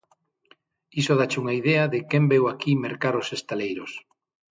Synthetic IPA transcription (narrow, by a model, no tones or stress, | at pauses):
isoð̞at͡ʃuŋaið̞ɛɐðɪkembewakimeɾkaɾosest̪alejɾos